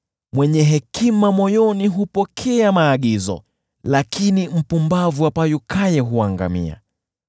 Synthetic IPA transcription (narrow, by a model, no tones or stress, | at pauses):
mwɛɲɛɦɛkimamɔjɔniɦupɔkʰɛamaːɠizɔ̰ | lakinim̩pumbavuapajukajɛɦuaŋɡa̰mḭa̰